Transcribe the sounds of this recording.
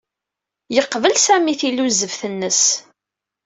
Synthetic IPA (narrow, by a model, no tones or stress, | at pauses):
jəqːvəlsæmiθilːuzəvθənːəs